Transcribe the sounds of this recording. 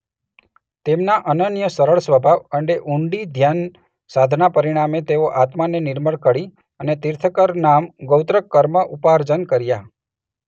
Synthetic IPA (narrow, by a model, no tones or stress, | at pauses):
t̪emnaʔənənjəsəɾəɭsʋəbʱaʋəɳɖeʔuɳɖid̪ʱjan | sad̪ʱnapəɾiɽ̃amet̪eʋoʔat̪manenɪɾməɭkəɽi | ənet̪iɾt̪ʰəkəɾnamɡowt̪ɾəkːəɾməʔupaɾd͡ʒənkəɾja